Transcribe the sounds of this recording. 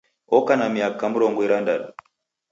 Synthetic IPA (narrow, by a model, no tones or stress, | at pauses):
ɔkanamiakːamuɾɔŋɡɔiɾandaɗu